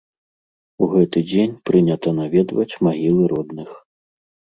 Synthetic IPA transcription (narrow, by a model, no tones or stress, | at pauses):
uɣɛt̪ɨd͡zʲenʲpɾɨnʲɐt̪ɐnavʲɛd̪vɐ̰t͡sʲmaɣʲilˠɨɾɔd̪nɨx